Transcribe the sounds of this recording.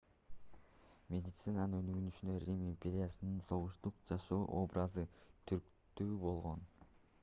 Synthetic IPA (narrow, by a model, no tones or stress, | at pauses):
mʲe̞d̪ʲit̪sɨnanɯnønyɡynyʃynd̪øɾʲimimʲpʲeɾʲɪjasɯnɯnso̞ʁuʃt̪uqd͡ʒɑʃoːʔo̞brʔazɯt̪ʰyɾk | t̪yːbo̞lˠʁo̞n